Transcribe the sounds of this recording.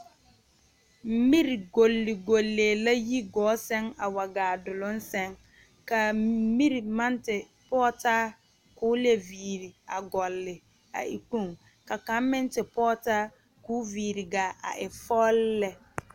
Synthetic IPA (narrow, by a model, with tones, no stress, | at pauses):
m̩˦mi˦ɾi˨ɡo˨lːɪ˨ɡo˨lːeː˨la˦ji˦ɡɔː˨˦sɛ˦ŋa˨wa˨ɡaː˨dʊ˨lʊ˦n˦sɛ˦ŋ | ka˨˦mi˦ɾi˨ma˦ntɪ˨ | pɔː˦taː˦ | kʊː˨˦le˨viː˨ɾi˨a˨ɡɔ˨lːɪ˨ | a̰˨ʔḭ˨k͡pu˦˨ŋ | ka˨ka˨˦m˦mɪ˦n˦tɪ˨pɔː˦taː˦ | kuː˦viː˨ɾi˨ɡa˨a̰˨ʔɪ˨fɔ˦llːɛ˦